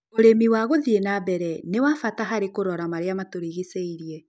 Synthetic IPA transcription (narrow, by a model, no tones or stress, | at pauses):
oɾemiwaɣoðienabɛɾɛnewafataɦaɾekoɾɔɾamaɾeamatoɾiɣeseiɾiɛ